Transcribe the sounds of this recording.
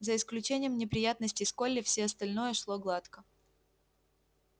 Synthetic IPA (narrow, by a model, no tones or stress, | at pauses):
zəɪsklʲʉt͡ɕenʲɪjəmnʲɪpɾʲɪjat̪nəsʲtʲɪskolʲːɪfsʲeɐst̪ɐlʲnojəʂlˠoɡlˠat̪kə